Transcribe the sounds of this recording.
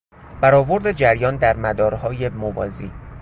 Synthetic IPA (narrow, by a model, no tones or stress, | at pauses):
b̥æɾɒːvo̞ɾd̪ed͡ʒæɾjɒːnd̪æɾmæd̪ɒːɾhɒːje̞movɒ̰ːzḭː